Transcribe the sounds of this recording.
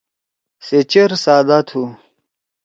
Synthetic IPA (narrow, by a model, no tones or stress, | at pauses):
set͡ɕeɾsaːd̪at̪ʰu